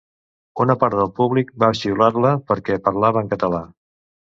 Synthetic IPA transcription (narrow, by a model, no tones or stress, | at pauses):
unəpaɾt̪ðəlˠpuβlik̚baʃiularləpəɾkɛpəɾlaβəŋkət̪əla